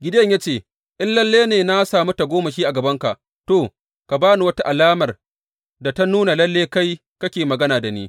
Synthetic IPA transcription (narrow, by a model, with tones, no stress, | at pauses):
ɡʲɪ˦dɐ˦ɲja˦t͡ʃeː˦˨ | ʔɪ˦nlɐ˦lːeː˦neː˨na˦saː˨mu˦ta˨ɡʷoː˦ma˨ʃiː˦ʔa˨ɡɐ˨bɐ˦ŋka˨ʔ | toː˨ | ka˨baː˦nu˨wɐ˦ta˦ʔa˨laː˦mɐ˨r | da˨ta˦nuː˦na˨lɐ˦lːeː˦ka˦j | kɐ˦kʲeː˨mɐ˨ɡɐ˦naː˨da˨niː˦